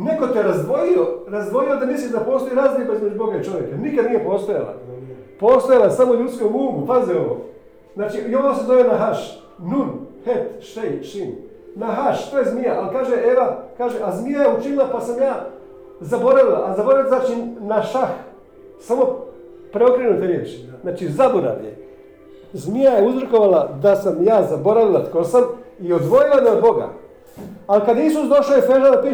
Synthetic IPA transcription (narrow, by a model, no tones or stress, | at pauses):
neko̞t̪ijeɾazd̪ʋojioɾazd̪ʋojio̞d̪amisid̪apo̞ːst̪o̞iɾaːzlibaizmed͡ʒubo̞ɡait͡ʃo̞ʋjekanikad̪nije̞po̞ːst̪oja̰la̰poːst̪ojalasamoʎut̪skouːɡupazeoʋo̰ː | znaːt͡ʃiio̞ʋosezoʋionaɦaʃ | nunhet̪ʃt̪ejʃin | naɦaʃt̪oːjezmijaʔalkaːʒeʔeʋakaːʒeʔazmijajeut͡ʃinilˠapasamjaː | zabo̞ɾaʋila̰ʔazaboɾailzaːt͡ʃinaʃax | samo̞ | pɾeo̞kɾenut̪eɾjeːt͡ʃnaːt͡ʃizaboɾa̰ʋjḛ | zmijajeuzɾko̞ʋalad̪asamjaːzabo̞ɾaʋilat̪kosamiod̪ʋo̞jilaneod̪bo̞ɡa̰ | alikad̪isusd̪o̞ʃaːjefeʒad̪apiː